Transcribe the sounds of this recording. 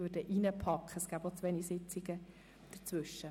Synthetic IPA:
ødəʔinəpʰɑkχəɛsɡ̥æːb̥ot͡sʋɛnisɪt͡sɪɡə | d̪̥ət͡sʋʏʃːə

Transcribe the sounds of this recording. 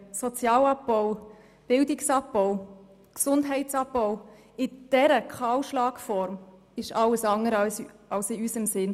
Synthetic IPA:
sɔt͡sjɑːlɑp̚bɔʊ | b̥ɪldɪksɑp̚b̥ɔʊ | ksʊndɦɛɪtt͡sɑp̚bɔʊ | ɪd̥ɛɾəkʰɑwʃlɑːkfɔɾm | ɪʃɑləsɑŋəɾɑs | ɑlsɪysəmsɪn

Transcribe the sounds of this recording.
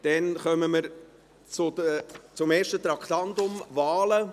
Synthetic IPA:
d̪̥ɛnχœməməɾ | t͡sʊdət͡sʊmeːʃtət̪ɾɑkχt̪ɑnt̪ʊmvɑːlə

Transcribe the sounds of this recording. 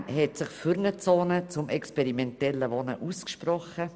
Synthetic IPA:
ɦɛtsɪχfyɾnət͡soːnət͡sʊmʔɛkspɛɾimɛntɛlːəʋɔnə̰ʔuskʃprɔχə

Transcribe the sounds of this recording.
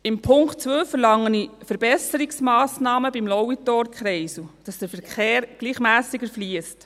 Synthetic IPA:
ɪmpʰʊŋkt̚t͡sʋøːfəɾlɑŋːənifəɾb̥ɛsəɾiksmɑːsnɑːməbimlɔwitɔːɾkχɾɛɪsud̥ɑsd̥əɾfəɾkeːɾɡ̥liːχmæːsɪɡəfliəst

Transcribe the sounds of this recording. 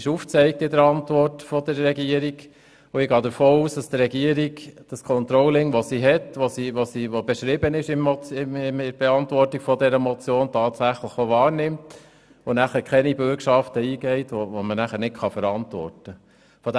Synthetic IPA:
ɪʃuːft͡sɛɪk̚tɪdəɾɑntʋɔrtfɔd̪əɾːɛɡiəɾiɡ | ʊɪɡɑːd̪əɾfoːuːsd̥ɑst̪ɾɛɡiəɾiɡd̥ɑskʰɔnt̪ɾɔwlɪŋʋoɔsiɦɛtʋosiʋosiʋobɛʃɾɪbənɪʃɪmːɔt͡sɪɪmɪɾb̥eɛɑntʋɔrtiɡfɔdɛɾəmɔt͡sjoːntʰɑːtsæχləχoʋɑːɾnɪmt | onæχəɾkχɛnibʏɾkʃɑftəiːɡɛɪt̪ʋoʋomənæχəɾnɪtkχɑfəɾɑntʋɔ̰rtə | fɔd

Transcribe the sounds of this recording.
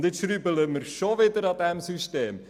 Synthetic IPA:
dɪtʃɾybələməɾʃoʋɪdəɾɑd̪ɛmsyʃteːm

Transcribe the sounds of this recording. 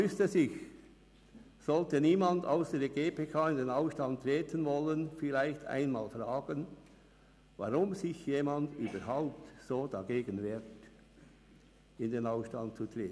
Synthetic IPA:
vʏstəsɪç | sɔltəniːmɑnda̰ʊsd̥eːɡeːpʰeːkʰaːɪndeːnaʊsʃtanttɾeːtʰənvɔlənfɪlaɪçta̰ɪnma̰ːlfraːɡ̥ən | vɑ̰ʁʊmzɪçjeːmɑndyːbɐɾɦaʊp̚tsoːdɑɡeːɡənveːt | ɪndeːnaʊsʃtɑnt̚t͡sutreːtn

